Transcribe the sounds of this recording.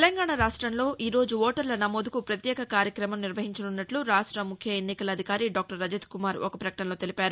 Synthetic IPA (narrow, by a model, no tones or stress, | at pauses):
elɐŋɡaːɳaɾaːʂʈɾɐmlo̞ːʔiːɾo̞ːd͡ʒuʋoːʈɐɾlɐnɐmoːd̪ukupɾɐt̪jɛːkɐkaːɾjɐkɾɐmɐmniɾʋɐɦiɲt͡ʃɐnunːɐʈluɾaːʂʈɾɐmukʰjɐenːikɐlɐːd̪ʱikaːɾiɖaːk̚ʈɐɾːɐd͡ʒɐt̪kumaːɾɔkɐpɾɐkɐʈɐnloːt̪e̞lipaːɾu